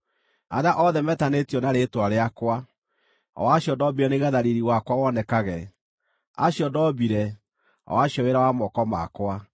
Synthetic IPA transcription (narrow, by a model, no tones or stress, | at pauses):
aɾaʔɔðɛmɛtanetjɔnaɾetwaɾeakwa | ɔ̰waɕjɔdɔbiɾɛneɣɛðaɾiɾiwakwawɔnɛkaɣɛ | a̰ɕjɔdɔbiɾɛ | a̰waɕɔweɾawamɔkɔma̰kwa